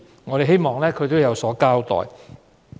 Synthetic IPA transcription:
ŋɔː˨˧ɾe˨˩ɦe˥jmɔː˨˩ŋlɛː˥kʰɵ˨˧jt̪o˥wjɐ˨˧wsɔː˨˥kaː˥wt̪ɔ̰ː˨˩j

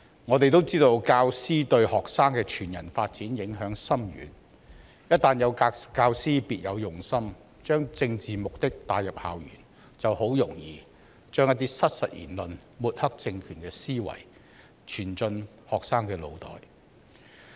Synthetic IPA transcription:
ŋɔː˨˧t̪e˨jt̪̬o˥wt͡siː˥t̪o˧wkaː˧wsiː˥t̪ɵ˧ɥhɔː˨ksaː˥ŋkɛː˧t͡ʃʰyː˨˩njɐ̰˨˩nfaː˧t̚t͡siː˨˥njɪ˨˥ŋɦœː˨˥ŋsɐ˥mjy̰ː˨˥n | jɐ˥t̚t̪ːaː˨njɐ˨˧wkaː˧wsiː˥piː˨t̚jɐ˨˧wjʊ˨˩ŋsɐ˥m | t͡ʃœː˥ŋt͡sɪ˧ŋt͡siː˨mʊ˨k̚t̪ɪ˥k̚t̪aː˧jɐ˨p̚haː˨˩wjy̰ː˨˩n | t͡sɐ˨who˨˥wjʊ˨˩ŋjiː˨ | t͡ʃœː˥ŋjɐ˥t̪iː˥sɐ˥t̚sɐ̰˨t̚jḭː˨˩nlɵ˨n | muː˨t̚hɐ˥k̚t͡sɪ˧ŋkʰyː˨˩nkɛː˧siː˥wɐ̰˨˩j | t͡ʃʰyː˨˩nt͡sɵ˧n | hɔː˨k̚saː˥ŋkɛː˧lo̰˨˧wt̪ɔ̰ː˨˩j

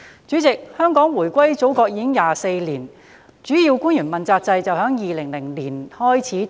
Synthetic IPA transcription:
t͡ʃyː˨˥t͡sɪ˨k̚hœː˥ŋkɔː˨˥ŋwuː˨˩jkʷwɐ˥jt͡so˨˥wkɔː˧k̚jiː˧˥ɪ˥ŋjaː˨se˧jliː˨˩n | t͡ʃyː˨˥ji˧wkuː˥njyː˨˩nmɐ˨nt͡saː˧k̚t͡sɐ˧jt͡sɐ˨wɦœː˨˥ŋjiː˨lɪ˨˩ŋlɪ˨˩ŋliː˨˩nhɔː˥jt͡sʰiː˨˥

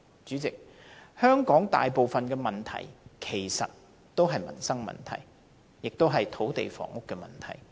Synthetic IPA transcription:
t͡ʃyː˨˥t͡sɪ˨k̚ | hœː˥ŋkɔː˨˥ŋt̪a̰ː˨jpo˨wfɐ˨nkɛː˧mɐ˨nt̪ʰɐ̰˨˩jkʰe˨˩jsɐ̰˨t̚ | t̪o˥wɦɐ˨jmɐ̰˨˩nsɐ˥ŋmɐ̰˨˩nt̪ʰɐ̰˨˩j | jɪ˨k̚t̪o˥wɦɐ˨jt̪ʰo˨˥wt̪e˨jfɔ̰ː˨˩ŋʊ˥kːɛː˧mɐ̰˨˩nt̪ʰɐ̰˨˩j

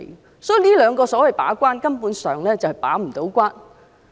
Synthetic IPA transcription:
sɔː˨˥i˨˧niː˥lœː˨˧ŋkɔː˧sɔː˨˥wɐ˨jpa̰ː˨˥kʷaː˥nkɐ˥mpuː˨˥nsœː˨ŋlɛː˥t͡sɐ˨whjpa̰ː˨˥m̩˨˩t̪o˨˥wkʷaː˥n

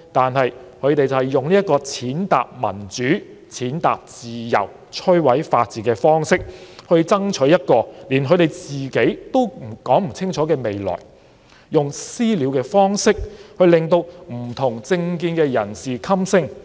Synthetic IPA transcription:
t̪aː˨nɦɐ˨jkʰɵ˨˧t̪e˨jt͡sɐ˨whɛ˨jːʊ˨ŋli˥ɐ˥t̚kːɔː˧t͡sʰiː˨˥nt̪a̰ː˨p̚mɐ̰˨˩nt͡syː˨˥ | t͡sʰiː˨˥nt̪a̰ː˨p̚t͡siː˨jɐ̰˨˩w | t͡ʃʰɵ˥ɥwɐ˨˥jfaː˧t̚t͡siː˨˩kɛː˧fɔː˥ŋsɪ˥k̚hɵ˧ɥt͡sɐ˥ŋt͡ʃʰɵ˨˥ɥjɐ˥t̚kɔː˧liː˨˩nɦɵ˨˧t̪e˨jt͡siː˨ke˨˥jt̪o˥wm̩˨˩kɔː˨˥ŋm̩˨˩t͡sʰɪ˥ŋt͡ʃʰɔː˨˥kɛː˧me˨jlɔ̰ː˨˩j | jʊ˨ŋsiː˥li˨˧wkɛː˧fɔː˥ŋsɪ˥k̚hɵ˧ɥlɪ˨˩ŋt̪o˧wm̩˨˩t̪ʰʊ˨˩ŋt͡sɪ˧ŋkiː˧nkɛː˧jɐ̰˨˩nsiː˨kʰɐ˥msɪ˥ŋ

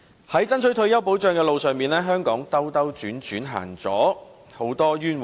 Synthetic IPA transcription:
hɐ˨˥jt͡sɐ˥nsʰɵ˨˥t̪ʰɵ˧ɥjɐ˥wpo˨˥wt͡ʃœː˨˧ŋkɛː˧lo˨wsœː˨˩ŋmiː˨nɛː˥ɦœː˥ŋkɔ̰ː˨˥ŋt̪ɐ˥wt̪ɐ˥wt͡ʃyː˨˥nt͡ʃyː˨˥nɦa̰ː˨˩ŋt͡sɔ̰ː˨˥ | ho˨˥wt̪ɔː˥jyː˥nw

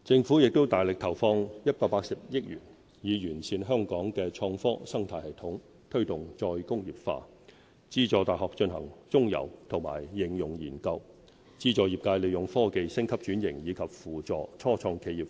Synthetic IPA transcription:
t͡sɪ˧ŋfuː˨˥jɪ˨k̚t̪o˥wt̪aː˨jlɪ˨k̚t̪ʰɐ˨˩wfɔː˧ŋjɐ˥t̚paː˧k̚paː˧k̚sɐ˨p̚jɪ˥k̚jyː˨˩n | jiː˨˧jyː˨˩nsiː˧nɦœː˥ŋkɔː˨˥ŋkɛː˧t͡ʃʰɔː˧ŋfɔː˥sɐ˥ŋt̪ʰaː˧jhɐ˨jt̪ʰʊ˨˥ŋ | t̪ʰɵ˥ɥt̪ʊ˨˩ŋt͡ʃɔː˧jkʊ˥ŋjiː˨p̚fa̰ː˧ | t͡siː˥t͡ʃɔː˧t̪aː˨˩jɦɔː˨k̚t͡ʃɵ˧nɦɐ̰˨˩ŋt͡sʊ˥ŋjɐ̰˨˩wt̪ʰʊ˨˩ŋma̰ː˨˩jːɪ˨˩ŋjʊ˨˩ŋjḭː˨˩nkɐ˧w | t͡siː˥t͡sɔː˨˧jiː˨˩p̚kaː˧jle˨˧jʊ˨˩ŋfɔː˥ke˧jsɪ˥ŋkʰɐ˥p̚t͡ʃyː˨˥njɪ̰˨˩ŋjiː˨˧kʰɐ˨p̚fuː˨˩t͡sɔː˨t͡sʰɔː˥t͡ʃʰɔː˧ŋkʰe˨˧˥jiː˨˩

